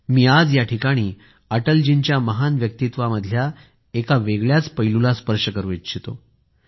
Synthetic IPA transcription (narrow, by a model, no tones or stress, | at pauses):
miːad͡zjaʈʰikaɽ̃iː | əʈəld͡ʑint͡ɕjaməɦanʋjək̚t̪it̪ʋaməd̪ʱja | ekaʋeɡɭjat͡spəjlulaspəɾʂəkəɾuet̪t͡ɕʰit̪o̰